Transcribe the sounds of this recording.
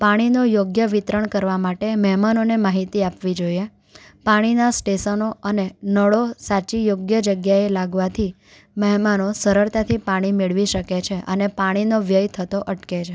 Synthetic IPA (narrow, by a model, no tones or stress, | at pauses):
paɽ̃inojoɡjəʋit̪ɾəɳkəɾʋamaʈeməɦmanonemaɦit̪iapʋid͡ʒoje | paɽ̃inasʈesənoənenəɭosat͡ʃijoɡjəd͡ʒəɡjaelaɡʋat̪ʰi | məɦmanosəɾəɾt̪at̪ʰipaɽ̃imeɭʋiʃəket͡ʃʰeʔənepaɽ̃inoʋjəjt̪ʰət̪oʔəʈket͡ʃʰe